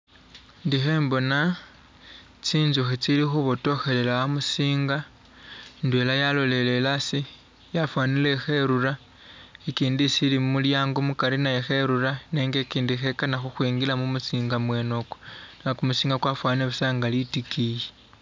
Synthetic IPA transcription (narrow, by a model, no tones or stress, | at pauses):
ndixe̞ːmbo̞na | t͡siːnzuxet͡silixuβoto̞xe̞lelaamusiːŋɡa | ndwelajalo̞le̞le̞lasi | jafwanile̞xe̞ɾuɾa | ekiːndisilimumuljaːŋɡomukaɾinajexe̞ɾuɾane̞ːŋɡekiːndixe̞kanaxuxwiːŋɡilamumusiːŋɡamwe̞no̞konakumusiːŋɡakwafwaneβusaːŋɡalitikije